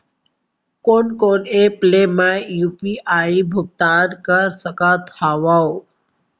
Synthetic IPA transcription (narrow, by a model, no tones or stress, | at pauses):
konkoneplemajupiʔaibʱuɡ̚t̪aɾkəɾsəkat̪ʰaʋao